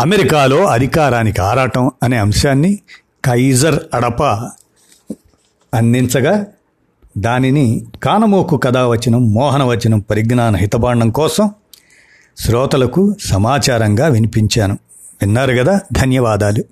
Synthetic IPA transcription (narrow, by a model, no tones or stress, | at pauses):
ɐmeɾikaːlo̞ːɐd̪ʱikaːɾaːnikiaːɾaːʈɐmɐne̞ːɐmʂaːnːi | kɐjzɐɾɐɽɐpɐ | ɐnd̪int͡sɐɡaː | d̪aːninikaːnɐmoːkukɐd̪aːʋɐt͡ʃːinɐmːɔːɦɐnɐʋɐt͡ʃːinɐmpɐɾiɡnaːnɐɦit̪ɐbaːɳɖɐmkɔːsɐm | sɾɔːt̪ɐlɐkusɐmaːt͡ʃaːɾɐŋɡaːʋinipiɲt͡ʃaːnu | ʋinːaːɾuɡɐd̪aːd̪ʱɐnjɐʋaːd̪aːlu